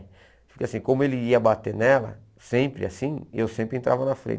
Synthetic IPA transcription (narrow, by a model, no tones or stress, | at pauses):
fi̥kasĩkõmʊelɪiɐbat̪enɛlɐ̰ | sẽmpɾɪ̰a̰sĩewsẽpɾɪẽnt̪ɾa̰vɐnɐfɾḛ̃